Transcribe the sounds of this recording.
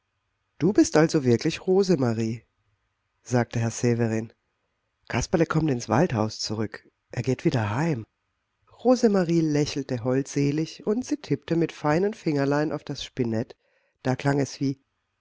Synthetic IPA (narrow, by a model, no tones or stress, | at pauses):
d̥uːbɪstʔalzovɪɐklɪçʁoːzəmaʁiː | z̥aːk̚təɦɛɐzeːvəʁiːn | kʰaspaləkʰɔmtɪnsv̥a̰lthaʊst͡suʁʏk | ʔeːɐɡeːtv̥iːdɐɦaɪm | ʁoːzəmaʁiːlɛçl̩təɦɔltz̥eːlɪçʊntz̥iːtʰɪp̚təmɪtfaɪnənfɪŋɐlaɪnʔaʊfd̥asʃpɪnɛt | d̥aːkl̥aŋɛsv̥iː